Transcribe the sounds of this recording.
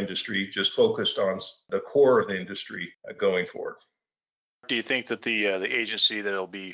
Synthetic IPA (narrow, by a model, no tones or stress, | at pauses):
ɪ̃ndɨstɹ̥id͡ʒʌstfoʊkɨstn̩ðəkʰɔɹʌvðiɪ̃ndɨstɹ̥iɡoʊɪ̃ŋfɔ̰ɹ̰d̥̚ | d̥ɨjɨθɪ̃ŋk̚ðɨt̪̚ðiðiʔeɪd͡ʒɨ̃nsiðɨɾl̩ˠbi